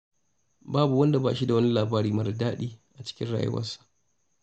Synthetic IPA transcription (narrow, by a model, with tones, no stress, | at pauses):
baː˦bu˨wɐ˦nda˨baː˨ʃi˦da˨wɐ˦ni˦laː˨baː˦ɾiː˦mɐ˦ɾdaː˦ɗiː˦ʔa˨t͡ʃɪ̥˦kʲɪ̰˦nɽa̰ː˨jɪ̰˦wɐ̰˦sḁ˦˨ʔ